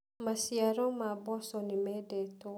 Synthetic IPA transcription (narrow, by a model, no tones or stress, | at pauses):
masiaɾɔmabɔsɔnimɛdɛto